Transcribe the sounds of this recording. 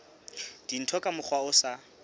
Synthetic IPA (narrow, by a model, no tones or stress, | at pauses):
d̥in̩tʰɔkʼamʊk͡xwaʊsa